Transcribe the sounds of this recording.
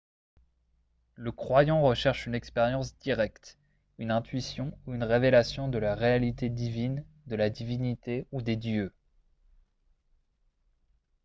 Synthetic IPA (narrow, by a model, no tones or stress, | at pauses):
ləkχwajɑ̃ʁəʃɛʁʃynɛkspeʁjɑ̃sd̪iʁɛkt̪ | ynɛ̃t̪ɥisjɔ̃uynʁevelasjɔ̃d̪əlaʁealit̪ed̪ivin | d̪əlad̪ivinit̪eud̪ed̪jø